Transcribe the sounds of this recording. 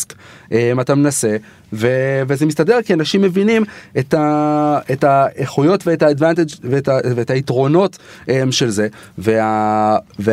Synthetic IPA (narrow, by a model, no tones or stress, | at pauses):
skʔemat̪amenase | ve̞vezemist̪ade̞ʁ̞kianaʃimːe̞vinimetaetaeχujo̞tveetaːdvant̪ed͡ʒvetaveetaitʁo̞no̞temʃe̞lzeveave